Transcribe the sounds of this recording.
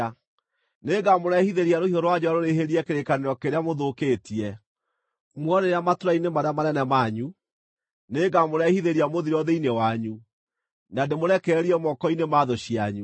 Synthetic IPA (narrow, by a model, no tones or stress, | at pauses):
neɡamoɾɛhiðeɾiaɾohiɔɾwad͡ʑɔwaɾoɾeɦeɾiɛkeɾekaneɾɔkeɾeamoðokeːtiɛ | mwɔɾeɾeamatoɾainemaɾeamaɾɛnɛmaɲu | neːɡamoɾɛhiðeɾiamoðiɾɔðeinewaɲu | nademoɾɛkɛːɾiɛmɔkɔinemaðoɕiaɲu